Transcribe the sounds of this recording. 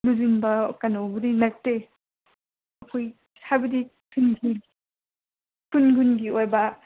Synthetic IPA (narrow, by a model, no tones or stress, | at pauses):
luzinbɐkanowbɯdinɐk̚te | ɐkʰoj | sʰabɯdikʰunɡi | kunɡunɡiojbɐ